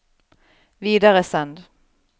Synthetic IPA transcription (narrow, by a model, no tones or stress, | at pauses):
viːd̪aʁəsɛnd̪